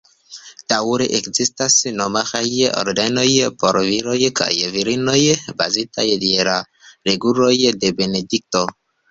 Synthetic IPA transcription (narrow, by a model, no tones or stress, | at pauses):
t̪awuɾeʔekzist̪asinɔmaxajeʔɔ̰ɾdɛnojepɔɾviɾojeka̰jeviɾinojeba̰zit̪a̰jedieɾa | ɾeɡuɾojedebenedik̚t̪o